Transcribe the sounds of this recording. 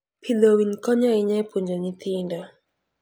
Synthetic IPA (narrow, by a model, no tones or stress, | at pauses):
pʰilowinkɔɲɔɪɲɛpuɲd͡ʒonit̪ʰindɔ